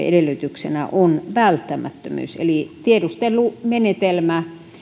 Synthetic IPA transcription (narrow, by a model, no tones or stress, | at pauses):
ḛdelːˑyt̪yksenæ̰ʔonʋælt̪ːæmæ̰t̪ːømy̰ːˑsḛlit̪iedust̪ellumenet̪elmæ